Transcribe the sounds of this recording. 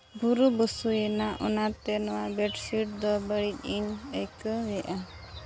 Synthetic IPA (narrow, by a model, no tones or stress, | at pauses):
bʱuɾubusujɛnaʔɔnaɾt̪ɛnɔwabɛʈsiʈ̚d̪ɔbəɽic̪̚ˀiɲəjkəbɛʔa